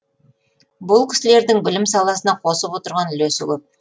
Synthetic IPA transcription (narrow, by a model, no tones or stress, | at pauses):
bʊlˠkʲʰɪ̥sɪle̞ɾd̪ɪŋbɪlɪmsɑlˠɑsənɑqʰo̞səpwo̞t̪əɾʁɑnʏlɵsɪkʲɵp̚